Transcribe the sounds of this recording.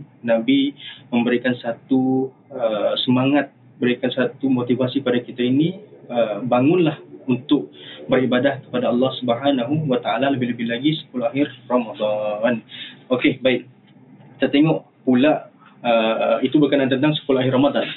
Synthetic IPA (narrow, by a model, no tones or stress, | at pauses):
nabimə̃mbəɾikansat̪u | əsəmaŋat̪̚ | bəɾikansat̪umot̪ivasiəpadakit̪ainiəbaŋʊnlahunt̪ʊk̚bəɾibadahkə̥padaɑlːɑhsubəɦanaɦuwat̪aalaləbɪhləbɪhlaɡisə̥kuluahɪrːomad̪ɑnokebaɪk̚ | ki̥t̪at̪eŋɔʔ | pulaʔ | əit̪ubərkənant̪ənt̪aŋsə̥kuluaɦɪramad̪ɑn